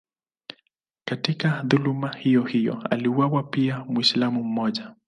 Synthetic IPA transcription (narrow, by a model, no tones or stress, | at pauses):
katikaðulumahijɔhijɔ̰a̰liuwawapiamwislamum̩mɔʄa